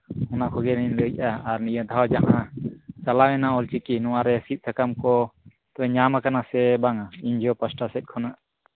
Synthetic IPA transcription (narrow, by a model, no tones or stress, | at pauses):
ɔnakʰɔɡɛniɲləc̚ˀaaɾnijəd̪ʱaawd͡ʒaʔat͡ʃalawɛnaɔlt͡ʃikinɔwaɾɛsit̪̚ˀsʰakamkɔ | t̪ɔɛɲamakanasɛbaŋaiɲd͡ʒɔpasʈasɛt̪̚ˀkʰɔnaʔ